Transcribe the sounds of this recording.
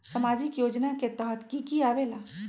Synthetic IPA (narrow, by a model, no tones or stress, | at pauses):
səmaːd͡ʒɪkjoːd͡ʒnaket̪əɦət̪kikiaːʋela